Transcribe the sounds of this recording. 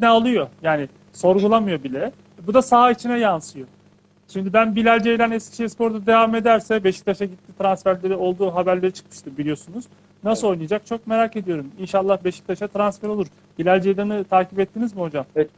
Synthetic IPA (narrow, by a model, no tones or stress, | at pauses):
nɛalˠɯjo̞jaːni | so̞ɾɡulˠamɯjo̞bilʲɛ | ɛbud̪asaɦait͡ʃʰinɛjansɯjo̞ | ʃimd̪ibænbilʲælʲd͡ʒejlʲænɛscʲi̥ʃejispʰo̞ɾd̪ad̪e̞vame̞d̪æɾsɛbe̞ʃi̥c̚t̪ʰaʃaɟit̪ʰːit̪ɾansfæɾlʲe̞ɾio̞lˠd̪uːɦabæɾlʲe̞ɾit͡ʃʰɯ̥kmɯ̥ʃt̪ɯbilʲijo̞sunuz̥ | nasɯo̞jnɯjad͡ʒak̚t͡ʃʰo̞k̚me̞ɾaːke̞d̪ijo̞ɾuminʃalˠːahbe̞ʃi̥c̚t̪ʰaʃat̪ɾansfæɾo̞luɾ | bilʲælʲd͡ʒejlʲanɯt̪ʰaːcipɛt̪ːinizmiho̞d͡ʒam